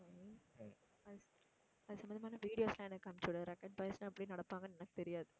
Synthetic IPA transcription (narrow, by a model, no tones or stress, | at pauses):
ɐðɯ | ɐðɯsɐmbɐnd̪ɐmaːnɐʋiːɽɪjoːslãːɛnːɐkːɐmt͡ʃːʊɽɐɾɛkːɐɳpɐjsnɐ̃ɐpːɐɽinɐɽɐpːaːŋɡɐnɛnɐkːɯ̥t̪ɛɾɪjaːðɯ